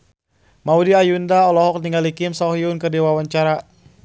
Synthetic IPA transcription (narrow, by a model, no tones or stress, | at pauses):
maudiajundaɔlɔɦɔk̚niŋalikimsɔɦiunkɨrdiwawaɲt͡ʃaɾa